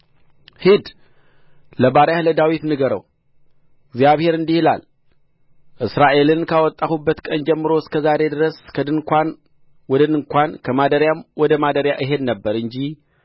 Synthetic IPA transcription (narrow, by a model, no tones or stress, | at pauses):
hɨd̪ | ləbaɾjahləd̪awit̪nɨɡɐɾə̰w | ɡzijaβhe̞ɾɨnd̪ihɨla̰l | ʔɨsɾaʔe̞lɨnkʰawɔt̪ʼːaxubːət̪kʼɐnd͡ʒɛmːɨɾo̞skʰɐzaɾe̞d̪ɨɾɐskʰɐd̪ɨkʰʷan | wɔd̪ɐnɨŋkʷʰankʰəmad̪ɐɾjamwɔd̪əmad̪ɐɾjaʔɨɦed̪nəbːəɾɨnd͡ʒi